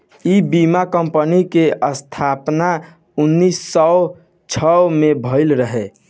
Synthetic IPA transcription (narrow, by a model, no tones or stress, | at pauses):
ibimakəmpənikeʔəst̪ʰapna | unːisːɔ | t͡ʃʰəmebʱəɪlɾəɦe